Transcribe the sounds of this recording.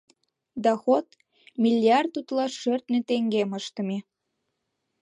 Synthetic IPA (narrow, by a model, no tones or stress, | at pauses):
d̪ɑxot̪ | mʲilʲːiɑrd̪ut̪lɑʃørt̪net̪eŋɡeməʃt̪ə̆me